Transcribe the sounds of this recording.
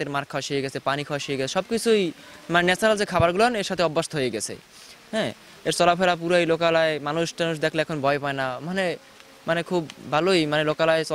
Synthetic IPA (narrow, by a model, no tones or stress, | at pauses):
t̪eɾmaɾkʰawaʃijeɡɛt͡ɕʰepanikʰawaʃieɡɛt͡ɕʰe̥ʃɔb̚kit͡ɕʰuj | manenɛt͡ɕaɾald͡ʑekʰabaɾɡuloɦɔneɾʃat̪ʰeɔbːast̪oɦojeɡɛt͡ɕʰḛ | ɦɛ̃ː | eɾt͡ɕɔlafelap̬uɾajlokalaemanuʃʈanuʃd̪ɛkʰleɛkʰonbʱɔepaenamane | manekʰubːʱalojmanelokalaet͡ɕɔ